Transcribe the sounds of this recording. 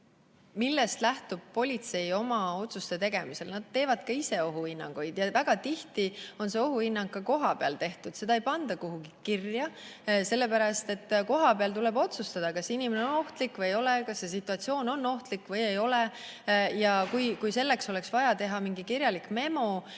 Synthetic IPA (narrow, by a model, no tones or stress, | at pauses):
milːe̞st̪læht̪ub̥̚po̞lʲit̪se̞jo̞mɑo̞t̪sust̪e̞t̪e̞ɡ̥e̞mise̞lnɑd̪̥t̪ːe̞ːvɑd̪̥kɑise̞o̞ɦuinːɑ̰ŋɡ̥ujd̪̥jɑvæɡ̥ɑt̪iht̪io̞nse̞o̞ɦuhinːɑŋɡ̥̚kːɑko̞ɦɑpe̞ɑ̰lt̪e̞ht̪ud̪̥se̞d̪ɑejpɑnd̪̥ɑkuɦuɡ̥ikirjɑse̞lːe̞pæɾɑst̪e̞t̪ːko̞ɦɑpeɑlt̪ule̞bo̞t̪sust̪ɑd̪̥ɑkɑsinimeneono̞ht̪likːvɤjjo̞lekɑsːe̞s̬it̪ːˑuɑt̪sio̞ːno̞nːo̞ht̪likːˑvɤjejo̞le | jɑkujkujse̞lːe̞kso̞le̞ksvɑjɑt̪e̞ɦɑmiŋɡikirjɑlikˑme̞mo̞